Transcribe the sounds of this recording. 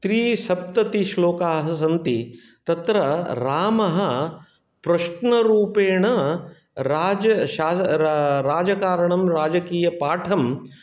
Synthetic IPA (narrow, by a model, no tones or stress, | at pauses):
t̪ɾiːʃɐp̚t̪ɐt̪iʃloːkaːɦɐsɐnt̪i | t̪ɐt̪ɾɐɾaːmɐɦɐ | pɾɐʂɳɐɾuːpeːɳɐ | ɾaːd͡ʒɐʃaːɾaːd͡ʒɐkaːɾɐɳɐmɾaːd͡ʒɐkiːjɐpaːʈʰɐm